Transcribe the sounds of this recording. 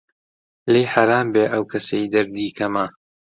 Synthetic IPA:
lejħaɾaːmbeːʔɐwkʰɐsejd̪ɐɾd̪iːkʰɐmɐ

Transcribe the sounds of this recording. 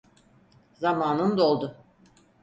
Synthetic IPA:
zamaːnɯmd̪olˠd̪ʊ

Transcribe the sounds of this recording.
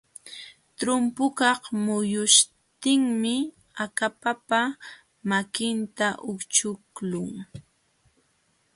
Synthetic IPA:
t̪ɾʊmpʊkɑχmʊjʊʃ | t̪ɪŋmɪ | akapapa | makɪnt̪aʔʊkt͡ʃʊklʊŋ

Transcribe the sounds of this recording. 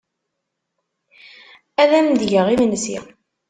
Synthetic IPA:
æðæmd̪ʝəʁimnsḭ

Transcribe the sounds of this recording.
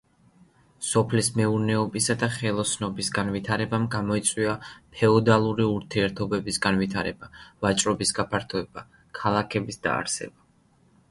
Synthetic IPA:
sɔpʰlismɛuɾnɛɔbisad̪aχɛlˠɔsnɔbisɡanvit̪ʰaɾɛbamɡamɔit̪sʼwiapʰɛɔd̪alˠuɾiuɾt̪ʰiɛɾt̪ʰɔbɛbisɡanvit̪ʰaɾɛb̥avat͡ʃʼɾɔbisɡapʰaɾt̪ʰɔɛb̥a | kʰalˠakʰɛbisd̪a̰ːɾsɛ̰ba

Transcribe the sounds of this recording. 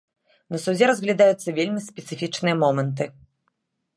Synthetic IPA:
nɐsud͡zʲɛɾɐzɣlʲad̪ajut̪sːɐvʲelʲmʲispʲɛt̪sɨfʲit͡ʂnɨjɐmɔmɛnt̪̬ɨ

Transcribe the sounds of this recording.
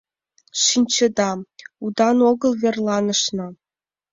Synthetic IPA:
ʂinʲt͡ɕĕd̪ɑud̪ɑnoɡɤ̆lˠvʲerlˠɑnɤ̆ʂnɤ̆

